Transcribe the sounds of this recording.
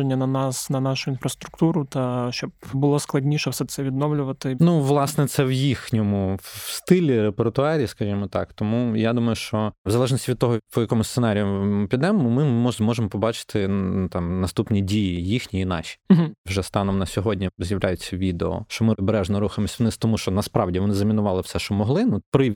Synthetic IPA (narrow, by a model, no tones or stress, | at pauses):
enʲːɐnɐnɑsnɐnɑʃʊinfɾɐst̪ɾʊkt̪uɾʊt̪ɐʃt͡ʃɔbbʊlˠɔsklˠɐdʲnʲiʃɛwsɛt̪sɛʋʲid̪nɔʋlʲʊʋɐt̪ɪnuʋlˠɑsnɛt̪sɛwjixnʲɔmʊst̪ɪlʲiɾepert̪ʊɑɾʲiːskɐʒʲimɔt̪ɑ̰kt̪ɔmujad̪umɐjʊʃt͡ʃɔwzɐlˠɛʒnɔsʲtʲiʋʲid̪̚t̪ɔɦɔpɔjɐkɔmʊssenɑɾʲijʊmpʲid̪ɛmːmɪmɔmɔʒemɔpɔbɑt͡ʃɪ̥t̪ɪt̪ɑmnɐst̪upnʲidʲijijixnʲiinɑ̰ʃʲi̥ɦwʒɛst̪ɑnɔmnɐsʲɔɦɔdʲnʲizʲjɐʋlʲajʊt͡sʲːɐʋʲid̪eɔ̰ʃt͡ʃɔmɪbeɾɛʒnɔɾuxɐmɔsʲʋɔnɪt̪ɔmuʃt͡ʃɔnɐspɾɑwdʲiʋɔnɪzɐmʲinʊʋɑlˠɪwsɛʃt͡ʃɔmɔɦlˠɪnupɾɪ